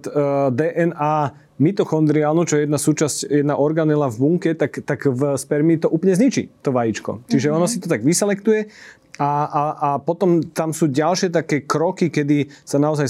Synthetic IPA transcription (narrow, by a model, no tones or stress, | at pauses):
t̪d̪ɛːʔɛnaː | mit̪ɔxɔnd̪ɾialnut͡ʃɔɛjɛd̪nasuːt͡ʃascjɛd̪naʔɔɾɡanɛlavbuŋkɛt̪akt̪akvspɛɾmiːt̪ɔʔuːplɲɛzɲit͡ʃḭt̪ɔʋajit͡ʃkɔ̰t͡ʃiʒɛɔnɔsit̪ɔt̪aɡʋisɛlɛkt̪ujɛ | aaapɔt̪ɔmt̪amsuːɟalʃɪɛt̪akɛːkɾɔkikɛd̪isanaɔzaj